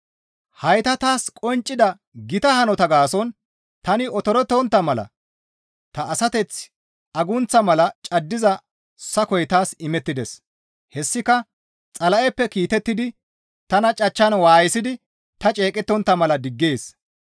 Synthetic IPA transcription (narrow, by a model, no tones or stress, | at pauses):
hɐjt̪ɐt̪aːskʼɔnt͡ʃʼːɪd̪ɐ | ɡɪt̪ɐhɐnɔt̪ɐɡaːsɔn | t̪ɐnɪɔt̪ɔɾɔt̪ːɔnt̪ːɐmɐlɐ̰ | t̪ɐʔːsɐt̪ɛt͡s | ʔɐɡʊnt͡sːɐmɐlɐt͡ʃʼɐd̪ːɪzɐ | sɐkɔjt̪aːsɪmɛt̪ːɪd̪ɛs | hɛsːɪkɐ | t͡sʼɐlɐʔɛpːɛkiːt̪ɛt̪ːɪd̪ɪ | t̪ɐnɐt͡ʃʼɐt͡ʃːɐnwaːjɪsɪd̪ɪ | t̪ɐt͡ʃʼe̞ːkʼɛt̪ːɔnt̪ːɐmɐlɐd̪ɪɡːeːs